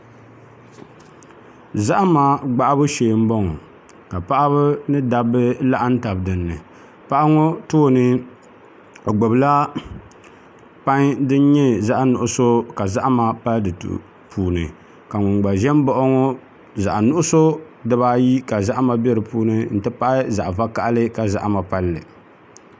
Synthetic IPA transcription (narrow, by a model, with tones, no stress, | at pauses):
za˦ʔma˦ɡ͡ba˦ʔa˦bɨ˦ʃeː˨m̩˦bɔ˦ŋɔ˨ | ka˨pa˦ʔa˦βɨ˦nɨ˦da˨bɨ˦la˦ʔa˦n̩˦ta˨bdɨ˨nːɨ˨ | pa˦ʔa˦ŋo˦toː˦nɨ˦ | o˨ɡ͡bo˨bla˦ | pa˦ŋdɨ˦n˦ɲɛ˦za˦ʔnʊ˨ʔʊ˨˦so˦ka˨za˦ʔma˨pa˦ldɨ˨tṵ˨ | pʰuː˨nɨ˨ | ka˨ŋʊ˨ŋɡ͡ba˨ʒɛ˦m˦bɔ˦ʔɔ˦ŋɔ˦ | za˨ʔnʊ˦ʔʊ˦so˦ | dɨ˦ba˦ji˦ka˨za˦ʔma˨bɛ˦ɾɨ˨puː˦nɨ˦n̩˨tɨ˦pa˦ʔɪ˦za˨ʔva˦ka˦˨ʔlɨ˦ka˨za˨ʔma˨pa˦lːɨ̰˨